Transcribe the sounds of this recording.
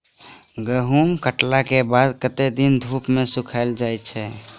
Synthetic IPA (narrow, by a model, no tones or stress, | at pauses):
ɡəɦumkəʈlakebad̪kət̪ed̪ind̪ʱupmẽsukʰaɪld͡ʒajt͡ʃʰɛ